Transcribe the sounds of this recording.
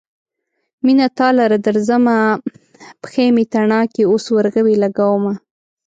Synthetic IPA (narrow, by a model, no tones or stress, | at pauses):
minat̪ɑlaɾad̪əɾzəma | pə̥xemet̪aɳɑkeoswaɾɣəwelaɡawəma